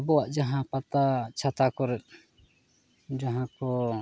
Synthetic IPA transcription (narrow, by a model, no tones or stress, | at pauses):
bɔwaʔd͡ʒaɦãpat̪at͡ʃʰat̪akɔɾɛt̪̚ | d͡ʒaɦãkɔ